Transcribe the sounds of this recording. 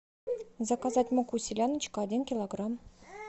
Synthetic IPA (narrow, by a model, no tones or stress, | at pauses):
zɑkɑzɑtʲmokusʲilʲanɨt͡ɕkːdʲinkʲilˠoɡram